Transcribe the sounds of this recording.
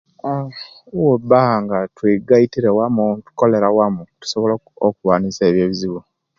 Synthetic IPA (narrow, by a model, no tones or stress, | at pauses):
a | wobːaaŋɡatwiɡaitiɾewamutu̥ko̞le̞ɾawamutu̥soβolookulwaːnise̞ːβjeːβiziβo